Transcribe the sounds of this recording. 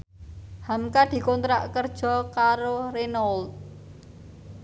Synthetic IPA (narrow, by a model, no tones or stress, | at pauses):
hamkad̪̥i̤kɔnt̪ɾaʔkərd̥ʒ̥ɔ̤kaɾorenol